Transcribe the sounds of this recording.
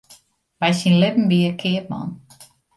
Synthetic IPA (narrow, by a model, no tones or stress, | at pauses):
ʋɛjsinlɪpm̩biəkʰɪəp̚mɔ̰n